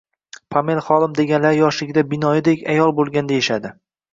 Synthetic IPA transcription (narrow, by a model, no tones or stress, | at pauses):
pʰamelˠχɒlˠɪmd̪e̞ɡʲanlaɾɪjɒʃlɪɡʲd̪abɪnɒjɪd̪ekʲajɒlˠbolˠɡʲand̪ajeʃad̪ɪ